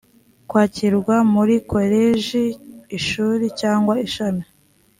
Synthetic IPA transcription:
kwaːciɾɡwamuɾikʰo̞ɾeʒiːʃuːɾicaːŋɡwaiʃana

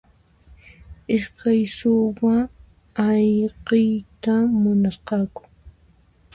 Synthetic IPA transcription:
ɪʃkajsʊwaː | jqejt̪amʊnasqɑkʊ̥

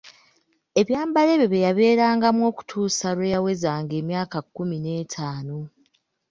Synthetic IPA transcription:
e̞βjaːmbale̞βeβejaβe̞ːɾaːŋɡamwo̞ːku̥tʰuːsaɾwejawe̞zaːŋɡe̞ːmjaːkakːumine̞ːtʰaːno

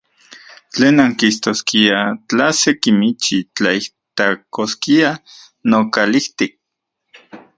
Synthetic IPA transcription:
t͡ɬeːnaŋkist̪oskiat͡ɬasekimit͡ʃit͡ɬaiht̪akoskia | nokaliht̪ik̚

